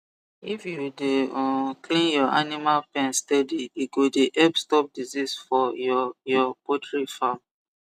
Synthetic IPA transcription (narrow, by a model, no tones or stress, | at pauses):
ifjudeɔkʰlĩnjɔʔanimalpɛ̃nstɛdiiɡodeʔɛbstɔp̚dizisfɔjɔjɔpɔtɹifam